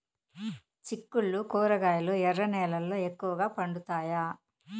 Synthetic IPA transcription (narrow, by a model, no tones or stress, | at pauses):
t͡ʃikːuɭːukoːɾɐɡaːjɐloːɛrːɐnɛːlɐlːoːekːuʋɐɡaːpɐɳɖut̪aːjaː